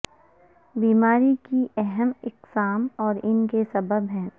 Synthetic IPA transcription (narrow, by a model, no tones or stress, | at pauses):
biːmaːɾikiʔɛɦɛmɪqsaːmɔːɾɪnkesɐbəbɦɛ̃ː